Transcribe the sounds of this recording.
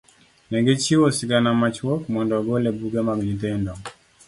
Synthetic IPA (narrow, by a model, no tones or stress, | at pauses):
nɛɡet͡ʃiwɔsiɡanamat͡ʃwɔkmɔndɔɡɔlɛbuɡɛmaɡɲitɛndɔ